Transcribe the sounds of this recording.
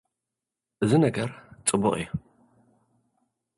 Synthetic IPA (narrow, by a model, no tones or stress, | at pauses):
ʔɨzɨnɐɡɐɾt͡sʼɨbʊχʼj